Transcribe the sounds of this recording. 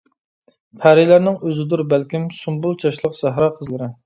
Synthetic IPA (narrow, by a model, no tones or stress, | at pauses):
pʰæɾɪlæɾnɪŋøzɪd̪uɾbælkʲimsumbulˠt͡ʃʰɑʃlˠəqsæɦɾɑqʰəzlˠɨɾɪ